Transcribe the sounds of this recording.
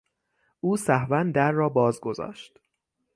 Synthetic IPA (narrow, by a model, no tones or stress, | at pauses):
ʔuːsæhvænd̪æɾːɒːbɒːzɡo̞zɒ̰ːʃt̪